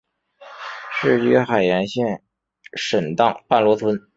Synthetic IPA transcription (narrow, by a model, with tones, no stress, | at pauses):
ʂɻ̩˥˧iy˧˥˩xa˨˩ɪjɛ˧˥nɕjɛ˥˩n | ʂə˨˩nt̪ɑ˥˩ŋpa˥˩nlwɔ˧˥t̪ʰwə˧˥n